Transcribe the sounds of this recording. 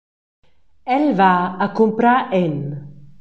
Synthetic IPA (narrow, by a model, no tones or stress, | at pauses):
ɛlvaakumpɾaʔɛn